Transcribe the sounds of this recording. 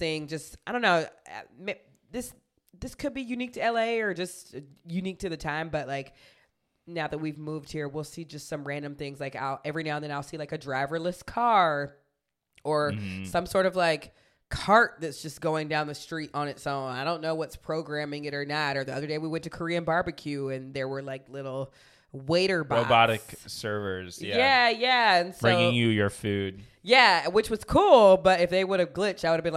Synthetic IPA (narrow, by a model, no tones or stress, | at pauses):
θɪ̃ŋd͡ʒʌstaɪɾõʊ̃nːoʊʌ̰m | ðɪs | ðɪskʰɨd̚bijʉnik̚tʰɨɛlˠeɪə˞d͡ʒʌstjʉnik̚tʰɨðɨtʰãɪ̃mbʌt̚laɪk | naʊðɨt̚wivmuvd̚hiɹwilˠsid͡ʒʌstsʌ̃mɹæ̃ndɨ̃mθɪ̃ŋzlaɪka̰ɪlˠʔɛvɹiñãʊə̃nðɨ̃naɪlˠsilaɪkɨdɹaɪvə˞ləskʰɑɹ | ə˞sʌ̃msɔɹɾʌvlaɪkʰ | ɑɹt̪̚ðɨtsd̥ʒ̥ʌsɡ̥oʊɪ̃ŋdãʊ̃nðɨstɹ̥iɾn̩ɨtsɔ̃naɪɾõʊ̃nːoʊwʌtspʰɹ̥oʊɡɹæ̃mɪ̃ŋɨɾə˞nəɾə˞ðiʌðə˞deɪwiwɛ̃ntʰɨkʰə˞iɨ̃nbɑɹbɨkʰjʉɨ̃nðə˞wə˞laɪklɪɾl̩ˠ | weɪɾə˞boʊbɑɾɨksɜ˞və˞z̥jæjæjæɨ̃nsbɹoɪ̃ʊŋɪ̃ŋjɨjə˞fʉd̚ | jæwɨt͡ʃwʌz̥kʰulˠbʌɾɨfðeɪwʊɾɨvɡlɪt͡ʃaɪwʊɾɨvbɨ̃nla